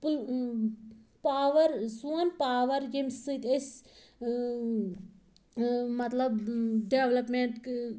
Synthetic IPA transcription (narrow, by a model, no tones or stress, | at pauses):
pl | paːʋɐɾsuɐnpaːʋɐɾɡemsɨt̪ʲes | mɐt̪lɐbɖeʋlɐpmeɳʈk